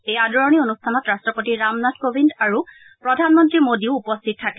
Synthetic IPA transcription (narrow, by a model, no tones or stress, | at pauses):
ejadɔɹɔnionustʰanɔtɹastɹɔpotiɹamnatkobʱindaɹu | pɹɔdʱanmɔntɹimodiʊupɔstʰit̚tʰːakɛ